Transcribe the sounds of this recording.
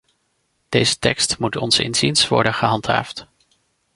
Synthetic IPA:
d̥ejzətɛkstmutɔnzɪ̰nzinsʋɔ̰ɹdənχəɦɑntɦa̰ːft

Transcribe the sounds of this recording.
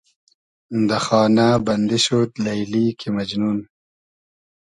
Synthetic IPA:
nd̪axɑːnabɐnd̪iɕot̪lajliːkʰimɐd͡ʒnun

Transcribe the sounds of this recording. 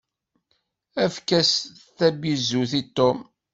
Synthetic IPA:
æfkæsθæbizuθit̪ːom

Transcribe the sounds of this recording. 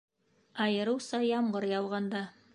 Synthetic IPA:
ɑjɤ̆ɾɤwsɑjɑmɢɤɾjɑwʁɑnd̪ɑ

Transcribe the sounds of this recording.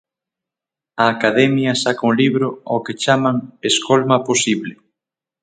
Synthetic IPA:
ɐːkaðɛmjɐsakuŋliβɾʊoket͡ʃamaŋeskolmɐposiβlɪ

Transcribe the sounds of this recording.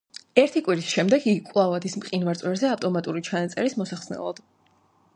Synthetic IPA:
ɛɾt̪ʰikʼwiɾisʃɛmd̪ɛɡiɡikʼlˠavad̪ismqʼinvaɾt̪sʼwɛɾzɛaft̪ʼɔmat̪ʼuɾit͡ʃʰanat̪sʼɛ̰ɾismɔsaχsnɛ̰lˠa̰d̪̥

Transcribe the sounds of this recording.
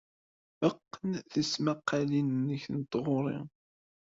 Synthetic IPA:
əqːənθəsmaqːalinənːəçənt̪ːʁʊɾˤɪ̰

